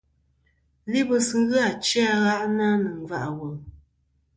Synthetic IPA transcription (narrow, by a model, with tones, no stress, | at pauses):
li˦bə˦sɨ˨˦ɣɨ˦a˨t͡ʃa˦ɣa˦ʔna˦nə˨ŋ˨va̰˦ʔa˨wə˨